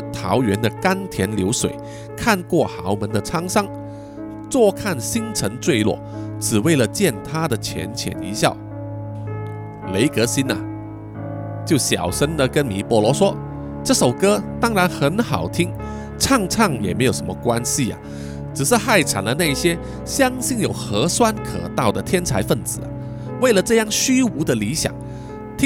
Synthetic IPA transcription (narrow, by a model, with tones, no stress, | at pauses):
t̪ʰɑ˧˥ʊɥɛ˧˥nd̪ə˨ka˥nt̪ʰjɛ˧˥nljo˧˥ʊswḛ˨˩ɪ | kʰa˥˧nkwɔ˥˩xɑ˧˥ʊmə˧˥nd̪ə˨ʈ͡ʂʰɑ˥ŋsɑ˥ŋ | t͡swɔ˥˧kʰa˥˩nɕi˥ŋt͡sʰə˧˥ŋt͡swe˥˧ɪlwɔ̰˥˩ʈ͡ʂɻ̩˨˩we˥˩ɪlə˩t͡ɕjɛ˥˩nt̪ʰa˥d̪ə˨t͡ɕʰjɛ̰˧˥nt͡ɕʰjɛ̰˨˩nḭ˧˥ɕjɑ˥˩ʊ | le˧˥ɪkɤ˧˥ɕi˥nɐ˨ | t͡ɕjo˥˩ʊɕjɑ̰˨˩ʊʂə˥nd̪ə˨kə˥nmi˨˩pwɔ˧˥lwɔ˧˥ʂwɔ˥ | ʈ͡ʂɤ˥˩ʂo˨˩ʊkɤ˥t̪ɑ˥ŋɻa˧˥nxə˧˥nxɑ˨˩ʊt̪ʰi˥ŋ | ʈ͡ʂʰɑ˥˧ŋʈ͡ʂʰɑ˥˩ŋjɛ̰˨˩me˧˥ɪjo˨˩ʊʂə˧˦mə˧kwa˥nɕi˨ɐ̰˨ | ʈ͡ʂɻ̩˨˩ʂɻ̩˥˧xa˥˩ɪʈ͡ʂʰa̰˨˩nlə˧˦na˥˧i˥˩ɕjɛ˥ | ɕjɑ˥ŋɕi˥˧˩njo˨˩ʊxɤ˧˥swa˥nkʰɤ̰˨˩t̪ɑ˥˩ʊd̪ə˩t̪ʰjɛ˥nt͡sʰa˧˥ɪfə˥˩nt͡sɹ̩˨˩a̰˨˩ | we˥˩ɪlə˩ʈ͡ʂɤ˥˧jɑ˥˩ŋɕy˥u˧˥d̪ə˨li˧˥ɕjɑ̰˨˩˦ŋ | t̪ʰ